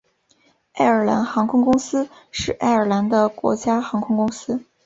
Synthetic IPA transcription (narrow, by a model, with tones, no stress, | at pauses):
a˥˩ɪə˞˨˩la̰˧˥nxɑ˧˥ŋkʰʊ˥ŋkʊ˥ŋsɹ̩˥ | ʂɻ̩˥˩ʔa̰˥˩ɪə˞˨˩la˧˥nd̪ə˧kwɔ̰˧˥t͡ɕja˥xɑ˧˥ŋkʰʊ˥ŋkʊ˥ŋsɹ̩˥